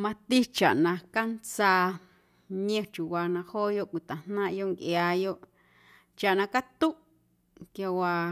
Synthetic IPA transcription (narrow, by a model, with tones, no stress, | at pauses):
mã˧t̪i˦t͡ʃa̰˨ʔnã˧ka˦nt͡saː˧ | ɲẽ˧t͡ʃu˨wa˧nã˧hoː˦jo˦ʔkʷi˨t̪ã˨n̥nã˦ʔjo˦ʔŋkjaː˧jo˦ʔ | t͡ʃa˨ʔnã˧ka˦t̪u˦ʔ | kja˧wa˧